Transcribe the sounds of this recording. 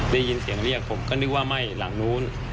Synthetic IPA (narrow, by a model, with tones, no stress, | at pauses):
da˥˩ji˧nsi˨˩˦ŋli˥˩ək̚pʰo˩˦mkɔː˥˩nɯ˦˥k̚waː˥˩ma˥˩jla˩˦ŋnuː˦˥n